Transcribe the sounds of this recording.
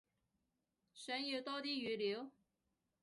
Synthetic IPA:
ɕɛ˧˥njo˨˥ʊt̪ɔ˥t̪i˥y˧˥ljo˧˥ʊ

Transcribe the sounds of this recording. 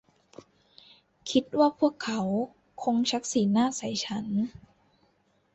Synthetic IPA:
kʰi˦˥t̪̚waː˥˩pʰu˥˩əkʰːa˩˦w | kʰo˧ŋt͡ɕʰa˦˥k̚siː˩˦naː˥˩sa˨˦jt͡ɕʰa˦˥n

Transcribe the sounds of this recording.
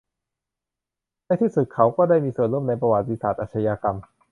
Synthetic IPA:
naː˥˩jt̪ʰiː˥˩su˨˩t̪̚kʰa˦˥wkɔː˥˩daː˥˩jmiː˧su˨˩ənlu˥˩˨mna˧jp̬ɾa˧wa˨˩t̪ːi˧saː˨˩t̪ʔaː˨˩t͡ɕʰa˧jaː˧ka˧m

